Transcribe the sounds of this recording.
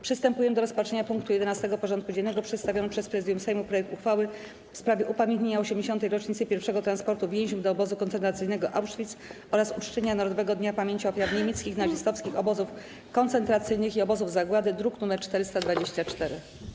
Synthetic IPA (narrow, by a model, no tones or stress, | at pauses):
pʂɨst̪ɛmpujɛmd̪ɔɾɔspat͡ʂɛɲapuŋkt̪ujɛd̪ɛnast̪ɛɡɔpɔʐɔnt̪kud͡ʑennːɛɡɔpʂɛt̪st̪avʲjɔnpʂɛspɾɛzɘd̪jumsɛjmupɾɔjɛk̚t̪uxfawɘ | fspɾavʲjɛʔupamʲjɛnt̪ɲeɲaɔɕɛmd͡ʑeɕɔnt̪̬ɛjɾɔt͡ʂɲit̪sɘpʲjɛɾfʂɛɡɔt̪ɾanspɔɾt̪uvʲjẽw̃ʑumd̪ɔːbɔzukɔnt̪sɛnt̪ɾat̪sɘjnɛɡɔʔawʂfʲit̪s | ɔɾasut͡ʂt͡ɕɛɲanaɾɔd̪ɔvɛɡɔd̪ɲapamʲjeɲt͡ɕiɔfʲjavɲemʲjet̪skʲixnad͡ʑist̪ɔfskʲixɔbɔzuf | kɔnt̪sɛnt̪ɾat̪sɘjnɘxiɔbɔzuvzaɡwad̪ɘd̪ɾuknumɛɾt͡ʂt̪ɛɾɘst̪ad̪vad͡ʑeɕt͡ɕat͡ʂt̪ɛɾɘ